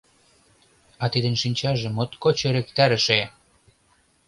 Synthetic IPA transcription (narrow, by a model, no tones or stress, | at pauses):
ɑt̪id̪ə̆nʃinʲt͡ɕɑʒĕmŏt̪kot͡ɕeɾekt̪æɾə̆ʃe